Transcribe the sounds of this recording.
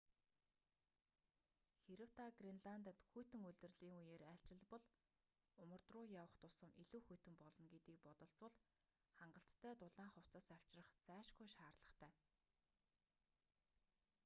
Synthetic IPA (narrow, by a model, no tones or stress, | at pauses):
xeɾɘ̆w̥t̪aɡrinɮant̪ə̆t̪xujt̪ɘ̆ŋuɮt̪ɘ̆rɮiːŋujeːɾæɬʲt͡ɕɪ̆ɮpɔ̆ɮ | ʊmə̆rt̪rʊːjawə̆χt̪ʊsə̆miɮuːxujʰt̪ɘ̆mpɔɮɞ̆nɡet̪iːk̚pɔt̪ɞ̆ɬt͡sʊ̆ɮ | χaɴɢə̆ɬt̪ːʰæːt̪ʊɮaːɴχɔw̥t͡sə̆saw̥t͡ɕrə̆χt͡sæːʃɡujʃaːrɮə̆χt̪ʰæː